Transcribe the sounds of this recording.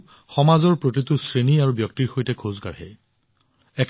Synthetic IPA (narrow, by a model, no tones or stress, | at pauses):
xɔmazɔɹpɹot̬itʊsɹeniaɹubjɔk̚tiɹxojtɛkʰozɡaɹɦɛ̰ | ɛkʰ